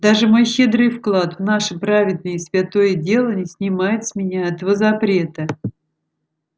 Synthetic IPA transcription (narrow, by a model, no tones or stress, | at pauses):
d̪aʐɨmo̞jɕɪd̪ɾɨjfklˠat̪vnaʂɨpɾavʲɪd̪nɨjɪsvʲat̪o̞jədʲe̞lˠənʲɪsʲnʲɪmajɪt̪sʲmʲɪnʲaɛt̪əvəzɐpɾʲe̞t̪ə